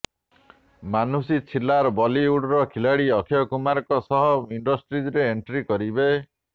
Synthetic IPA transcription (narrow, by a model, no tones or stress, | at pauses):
manusit͡sʰilaɾbɔliuɽɾɔkʰilaɽiɔkʰjɔkumaɾkɔsɔɦɔiɳɖɔsʈɾid͡ʒɾeːɳʈɾikɔɾibe